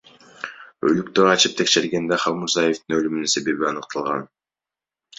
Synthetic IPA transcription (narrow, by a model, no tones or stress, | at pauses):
ø̞̰lykt̪øɾɑt͡ʃɯp̚t̪ʰe̞kʃe̞ɾɡe̞nd̪eχɑlˠmuɾzaje̞ft̪inø̞lymynyse̞βe̞βiɑnɯq̚t̪ʰɑlˠʁɑ̰n